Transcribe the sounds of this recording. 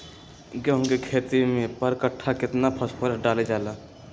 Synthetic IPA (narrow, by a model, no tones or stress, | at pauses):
ɡəɦõkekʰeːt̪imẽpəɾkəʈʰːakɪt̪napʰəspʰəɾəsɖaːled͡ʒaːlaː